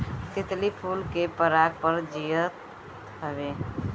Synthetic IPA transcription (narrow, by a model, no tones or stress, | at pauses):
t̪ɪt̪lipʰulkepəɾaɡ̚pəɾd͡ʒijət̪ | ɦəbe